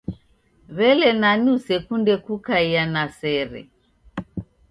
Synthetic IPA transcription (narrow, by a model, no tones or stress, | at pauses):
βɛlɛnaniusɛkundɛkukaianasɛɾɛ̰